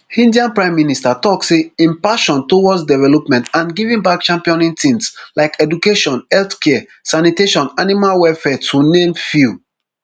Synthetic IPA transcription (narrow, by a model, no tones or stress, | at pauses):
hĩndiãnpɹãɪ̃mːinistatɔkseĩmpaʃɔ̃ntowɔsdɛvɛlɔpmɛ̃ntãnɡivĩnbak̚t͡ʃãmpiɔ̃nĩntʰĩnslaɪkɛdukeʃɔ̃nhɛlθkɛ | saniteʃɔ̃nanimalwɛfɛtʰunẽmfu